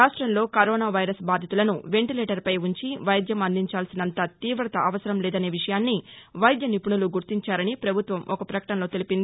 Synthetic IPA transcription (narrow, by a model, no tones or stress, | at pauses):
aːʂʈɾɐmlo̞ːkɐɾoːnaːʋɐjɾɐsbaːd̪ʱit̪ulɐnuʋe̞ɳʈilɛːʈɐɾpɐjuɲt͡ʃiʋɐjd̪ʱjɐmɐnd̪iɲt͡ʃaːlsinɐnt̪aːt̪iːʋɾɐt̪ɐʔɐʋɐsɐɾɐmlɛːd̪ɐne̞ːʋiʂɐjaːnːiʋɐjd̪jɐnipuɳuluɡuɾt̪iɲt͡ʃaːɾɐnipɾɐbʱut̪ʋɐmʔɔkɐpɾɐkɐ̥ʈɐnlo̞ːt̪e̞lipind̪i